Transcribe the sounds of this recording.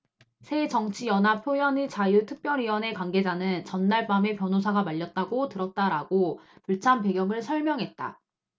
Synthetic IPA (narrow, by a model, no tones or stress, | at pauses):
sʰe̞t͡ɕʌŋt͡ɕʰijʌnɦapʰjojʌnit͡ɕajutʰɯk̚p͈jʌɾiwʌne̞kwaŋɡe̞d͡ʑanɯnt͡ɕʌnːaɭp͈ame̞pjʌnosʰaɡamaʎːʌt̚t͈aɡotɯɾʌt̚t͈aɾaɡopuɭt͡ɕʰanpe̞ɡjʌŋɯɭsʰʌɭmjʌŋɦe̞t̚t͈a̰